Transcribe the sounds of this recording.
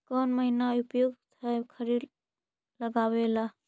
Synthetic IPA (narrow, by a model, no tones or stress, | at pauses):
kɔnməɦinaupjoɡt̪ʰəkʰəɾid̪ | ləɡabela